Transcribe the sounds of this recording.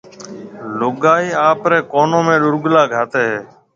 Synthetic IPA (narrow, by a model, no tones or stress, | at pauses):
lʊɠaːiːaːpɾeːkoːnõːmẽːɗʊɾɡlaːɡʱaːt̪eːɦeː